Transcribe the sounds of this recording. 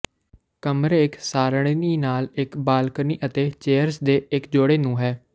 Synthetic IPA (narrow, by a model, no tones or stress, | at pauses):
kəmɾeːɪksaːɾɽ̃eːniːnaːlɪkbaːlkniːʔət̪eːt͡ʃeːəɾsd̪eːɪkd͡ʒoːɽeːnũːɦɛː